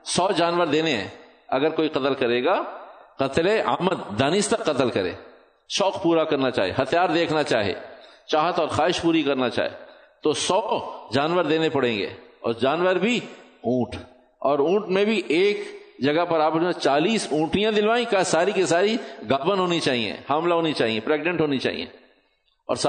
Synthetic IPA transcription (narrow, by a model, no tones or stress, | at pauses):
sɔːd͡ʒaːnʋəɾd̪eːneɦɛ̰̃ː | ɐɡəɾkoːiqɐt̪əlkɐɾeːɡaqɐt̪lea̰ːməd̪ːaːnɪst̪ɐkːɐt̪əlkɐɾḛː | ʃɔːqpuːɾakɐɾnat͡ʃa̰ːɦiḛɦɐt̪jaːɾd̪eːkʰnat͡ʃa̰ːɦiḛːt͡ʃaːɦət̪ɔːɾxaːɦɪʃpuːɾikɐɾnat͡ʃa̰ːɦḛː | t̪osɔːd͡ʒaːnʋəɾd̪eːnepɐɽ̤ẽːŋɡḛːɔ̰ːɾd͡ʒaːnʋəɾbʱi | ũːʈ | ɔːɾũːʈmẽbʱiʔeːkd͡ʒɐɡəpɐɾaːpəmẽt͡ʃaːliːsũːʈijãd̪ɪlʋaːĩkasaːɾikesaːɾiɡaːbənɦoːnit͡ʃaːɦiḛ̃hamlaɦoːnit͡ʃaːɦiẽpɾeːɡnẽɳʈɦoːnit͡ʃa̰ːɦḭḛ̃ | ɔ̰ːɾsa